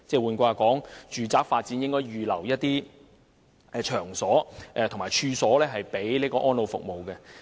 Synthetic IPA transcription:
t͡sɛː˧˩wuː˨˧nkʷaː˧aː˨˧kɔː˨˥ŋt͡ʃyː˨t͡saː˥k̚faː˧t̚t͡siː˨˥njɪ˥ŋkɔː˥jɥyː˨lɐ̰˨˩wjɐ˥t̚t̪iː˥ | ɛ˧t͡ʃʰœː˨˩ŋsɔː˨˥ʔɛ˨˧t̪ʰʊ˨˩ŋmaː˨jt͡ʃʰyː˧sɔː˨˥lɛː˥ɦɐ˨jpe˨˥jliː˥kɔː˧ʔɔː˥nlo˨˧wfʊ̰˨k̚mo˨wkɛ˧

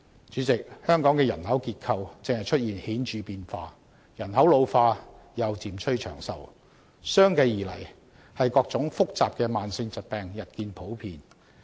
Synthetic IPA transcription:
t͡ʃyː˨˥t͡sɪ˨k̚hœː˥ŋkɔː˨˥ŋkɛː˧jɐ˨˩nɦɐ˨˥wkiː˧t̚kʰɐ˨˧wt͡sɪ˨ŋhɐ˨jt͡ʃʰɵ˥t̚jiː˨˩nhiː˨˥nt͡ʃyː˨˧piː˧nfaː˧ | jɐ˨˩nɦɐ˨˥wlo˨˧wfaː˧ | jɐ˨wt͡siː˨˩mt͡ʃʰɵ˥ɥt͡ʃʰœ̰ː˨˩ŋsɐ̰˨w | sœː˥ŋkɐ˧jːiː˨˩lɐ̰˨˩j | hɐ˨jkɔː˧k̚t͡sʊ˨˥ŋfʊ˥k̚t͡saː˨p̚kɛː˧maː˨nsɪ˧ŋt͡sɐ˨t̚pɛː˨ŋjɐ˨t̚kiː˧npʰo˨˥wpʰiː˨˧n

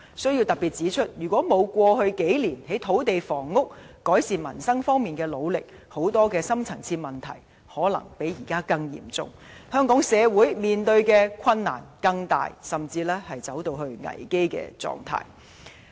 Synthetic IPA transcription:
sɵ˥ɥji˧wt̪ɐ˨k̚piː˨t̚t͡siː˨˥t͡ʃʰɵ˥t̚jyː˨˩kʷɔː˨˥mo˨˧wkʷɔː˧hɵ˧ɥke˨˥jliː˨˩nhe˨˥jt̪ʰo˨˥wt̪e˨jfɔː˨˩ŋːʊ˥k̚kɔː˨˥jsiː˨nmɐ̰˨˩nsɐ˥ŋfɔː˥ŋmiː˨˩nkɛː˧lo˨˧wlɪ˨k̚ | ho˨˥wt̪ɔː˥kɛː˧sɐ˥mt͡sʰɐ˨˩ŋt͡sʰiː˧t̚mɐ˨˩nt̪ʰɐ̰˨˩j | hɔː˨˥lɐ̰˨˩ŋpe˨˥jːiː˨˩kaː˥kɐ˧ŋjḭ˨˩mt͡sʊ̰˨˧ŋ | hœː˥ŋkɔː˨˥ŋsɛː˨˧wuː˨˥jmiː˨˩nt̪ɵ˧ɥkɛː˧kʷʰɐ˧nːa̰ː˨˩nkɐ˧ŋt̪a̰ː˨jsɐ˨˩mt͡siː˧lɛː˥hɐ˨jt͡sɐ˨˥wt̪o˧wɦɵ˧ɥŋɐ̰˨˩jke˥jkɛ̰ː˧t͡sɔ̰ː˨ŋt̪ʰa̰ː˧˩j

